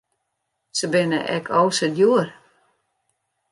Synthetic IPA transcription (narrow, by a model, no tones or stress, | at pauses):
səbɪnə̰ʔɛ̰kʰɔwsədjuər